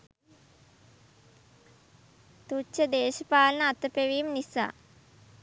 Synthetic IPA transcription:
t̪ut͡ʃːəd̪eːʃəpaːlənəat̪əpeʋiːmnisa̰ː

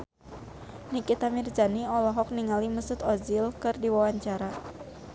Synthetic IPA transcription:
nikit̪amird͡ʒaniɔlɔɦɔk̚niŋalimusʊt̪ɔzilkɨrdiwawaɲt͡ʃaɾa

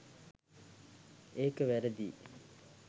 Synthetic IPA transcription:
eːkəʋæɾəd̪ḭː

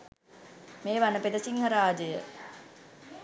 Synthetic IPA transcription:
meːʋanːəped̪əsiŋɦɐɾaːd͡ʒəjə̰

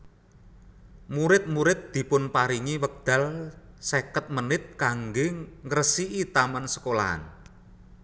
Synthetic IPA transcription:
muɾɪt̪̚muɾɪt̪̚d̪̥i̤pʊnpaɾiŋiwək̚d̪̥a̤l | sekət̪̚mənɪt̪̚kaŋɡeŋəɾəsiʔit̪amansə̥kola̰a̰n

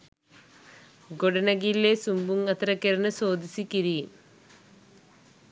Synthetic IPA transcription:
ɡoɽɐnɐɡilesumbumɐt̪rɐkːɐɾɐnɨso̞ːd̪isikʲːiɾijum

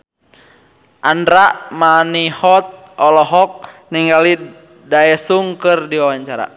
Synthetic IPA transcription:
ʔandɾaʔmanihɔt̪̚ | ɔlɔɦɔk̚niŋɡali | daɛsuŋkɨrdiwawaɲt͡ʃaɾa̰

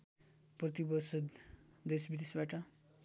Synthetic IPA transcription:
prʌt̪ibʌsʌd̪d̪esbid̪esbaʈʌ

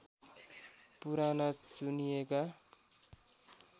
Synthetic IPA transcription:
puɾanʌt͡sunijeka

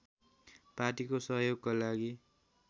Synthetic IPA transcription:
paʈikosʌɦjoɡkalaɡi

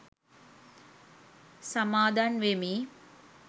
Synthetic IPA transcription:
samaːd̪anʋemiː

